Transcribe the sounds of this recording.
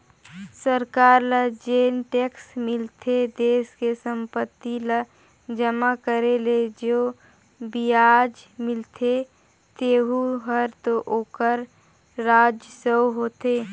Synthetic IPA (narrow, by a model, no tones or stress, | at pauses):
səɾkaːɾləd͡ʒeːnʈeːksmɪlt̪ʰed̪eːskesəmpət̪ːilə | d͡ʒəmakəɾeled͡ʒoː | bijad͡ʒmɪlt̪ʰe | t̪eːɦuɦəɾt̪oʔoːkəɾː | aːd͡ʒəsəwɦoːt̪eː